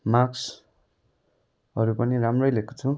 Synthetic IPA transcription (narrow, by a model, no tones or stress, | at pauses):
maks | ʌɾupʌniɾamrʌjlekot͡sʰu